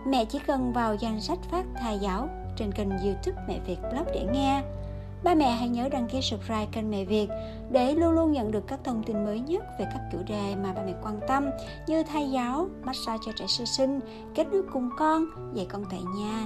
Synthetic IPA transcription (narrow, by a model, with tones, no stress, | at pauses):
mɛ̰˧˨t͡ɕḭ˧˥kə˨˩nvaː˨˩wza˧˩jŋ̟sa˦˥jk̟̚faː˦˥k̚t̪ʰaː˧jzaː˨˦w | t͡ɕe˧nkï˨˩jŋ̟zɨ˧t̪ʰɨ˦˥k̚mɛ̰˧˨vi˨˩ət̚lə˦˥p̚ɗe˧˩ŋɛ˧ | ɓaː˧mɛ̰˧˨ɦa̰˧˥jɲəː˨˦ɗa˧˩ŋki˧sɨ˨˩k̚zaː˨˩jka˨˩ŋmɛ̰˧˨vi˨˩ət̚ | ɗe˧˩lu˧ənlu˧ənɲə̰˧˨nɗɨ˨˩əkːaː˦˥k̚t̪ʰə˧wŋ͡mt̪i˧nməː˨˦jɲə˦˥t̚ve˨˩kaː˦˥kkṵ˧˩wɗe˨˩maː˨˩ɓaː˧˩mɛ̰˧˨kwaː˧nt̪ə˧m | ɲɨ˧t̪ʰaː˧jzaː˨˦wma˦˥t̚saː˧t͡ɕɔ˧t͡ɕɛ̰˧˩sɨ˧sï˧ŋ̟ | ke˦˥t̚ɗɨ˦˥kkʊ˨˩ŋ͡mkɔ˧n | ze˧˩jkɔ˧nt̪a̰ː˧˨jɲaː˧